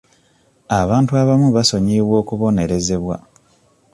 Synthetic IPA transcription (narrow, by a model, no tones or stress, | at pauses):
aβaːntuaβamuβaso̞ɲiːβwo̞ːkuβo̞ne̞ɾe̞ze̞βwa̰